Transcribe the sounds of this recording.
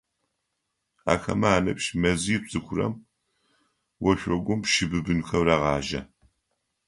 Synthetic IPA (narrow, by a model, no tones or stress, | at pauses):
a̰ːxɐ̰mɐaːnɐpʃmɐzijːpsʼɨxʷʰʊrɐ̰m | wɔʃʷɔɡʷʊmpʃɪbɨbɨnxɐwraʁɑːʒɐ̰